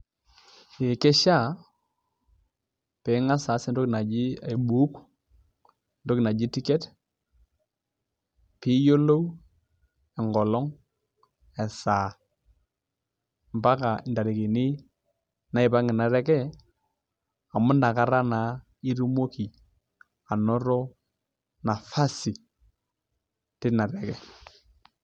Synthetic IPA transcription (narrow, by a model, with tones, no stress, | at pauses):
ɪ˨ke˦ʃa˦˨ | pɛ˨˦ŋa˦saː˨˦sɪ˦ndo˦kɪ˨na˨d͡ʒi˦a˨i˨ɓu˨˦k | ndo˦kɪ˨na˨d͡ʒi˦ti˦kɛ˦t | pi˦jo˦lo˦w | ɛ˨ŋɡɔ˨lɔ˦ŋ | ɛ˨saː˨ | mba˦ka˨nda˨ɾi˨ki˨nɪ˦ | na˦ɪ˨ba˦ŋɪ˨na˨ɾɛ˦kɛ˦ | a˨mʊ˦nda˨ka˦ɾa˦na˨˦ | i˦ɾu˦mo˦ki˨ | a˨nɔ˦ɾɔ˦ | na˨fa˦si˨ | tɪ˦na˨ɾɛ˨kɛ˨